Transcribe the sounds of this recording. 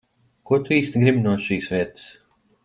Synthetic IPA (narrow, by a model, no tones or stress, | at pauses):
kuɔt̪uiːst̪ʲɡɾibʲinuɔʃiːsʋiɛt̪ɨ̥s